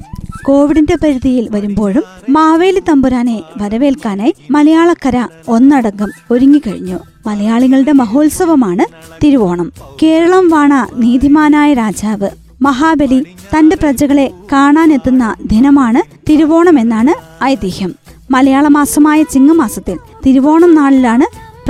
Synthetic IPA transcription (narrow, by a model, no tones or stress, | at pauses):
ko̞ːʋiɽinde̞pɐɾuðijilʋɐɾumbo̞ːɻumːaːʋe̞ːlit̪ɐmbuɾaːne̞ʋɐɾɐʋe̞ːlkaːnaːjmɐlɐjaːɭɐkːɐɾɐ | o̞nːɐɽɐŋːɐmo̞ɾuŋːikɐɻiɲːu | mɐlɐjaːɭiŋːɐɭɨɽe̞mɐɦo̞ːlsɐʋɐmaːɳɨ | t̪iɾuʋo̞ːɳɐmke̞ːɾɐɭɐmʋaːɳɐniːd̪ʱimaːnaːjɐɾaːd͡ʑaːʋɨ | mɐɦaːbɐli | t̪ɐnde̞prɐd͡ʑɐɣɐɭe̞kaːɳaːnet̪ːunːɐd̪ʱinɐmaːɳɨ | t̪iɾuʋo̞ːɳɐme̞nːaːɳɨ | ɐjɐd̪ihjɐmː | ɐlɐjaːɭɐmaːsɐmaːjɐt͡ɕiŋːɐmaːsɐt̪ːil | t̪iɾuʋo̞ːɳɐmnaːɭilaːɳɨ | p